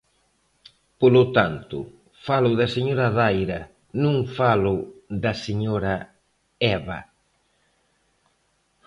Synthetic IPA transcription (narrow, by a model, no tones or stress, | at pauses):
polʊt̪ant̪ʊ̰ | falʊðɐseɲoɾɐðajɾɐ | nũŋfalʊðɐseɲoɾɐ | ɛβɐ̰